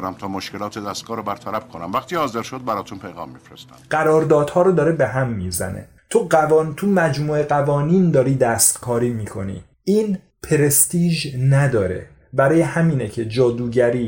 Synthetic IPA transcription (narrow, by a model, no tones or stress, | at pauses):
ɾæmt̪ʰɒːmoʃkelɒːt̪ʰed̪æst̪̚ɡ̥ɒːɾobæɾt̪ʰælæbkʰonæmvæxt̪iːhɒːzeɾʃod̪̚bæɾɒːt̪ʰunpʰejɣɒ̰ːmːifɾest̪æ̰ɢ̥æɾɒːɾd̪ɒːd̪hɒːɾɔːd̪ɒːɾebe̞ɦæmːiːzæ̰nḛ | t̪ʰoɢævɒːnt̪ʰumæd͡ʒmuːe̞ɡævɒːniːnd̪ɒːɾiːd̪æst̪kʰɒːɾiːmiːkʰo̞nḭː | iːn | pʰeɾest̪iːʒnæd̪ɒːɾe̞̰ | bæɾɒːjehæmiːnecʰe̞d͡ʒɒːd̪uːɟæɾiː